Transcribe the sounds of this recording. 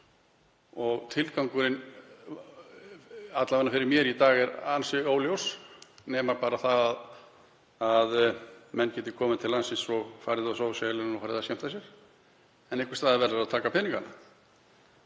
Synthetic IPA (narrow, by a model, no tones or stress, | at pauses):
ɔɣt̪ʰɪlkawŋkʏɾɪn | at̪lavɛnːafɪɾɪɾmjɛɾit̪aːɣɛɾansɪoːwljowsnɛːmapaːɾaθaðað | aðmɛnːcɛːt̪ɪkʰɔːmɪt̪ʰɪlːansinsɔɣfaːjɾɪðasowsɛlɪnnɔfaɾðɪðasçɛm̥t̪ʰasjɛɾ̥ | ɛnɛhkʏ̥st̪aːðɪɾvɛɾðaɾaðt̪ʰaːkapʰɪniŋkana